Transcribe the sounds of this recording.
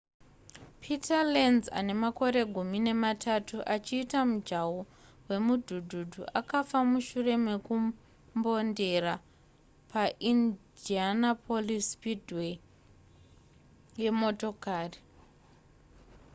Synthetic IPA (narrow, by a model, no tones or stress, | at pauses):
pʰitalenza̰ne̞mako̞ɾe̞ɡʱumine̞matʰatuʔat͡ʃiːtamud͡ʒawo | we̞mudʱudʱudʱuʔakafamuʃure̞me̞ku | mbo̞nde̞ra | paʔindianapʰolispidʱwe | je̞mo̞to̞kaːri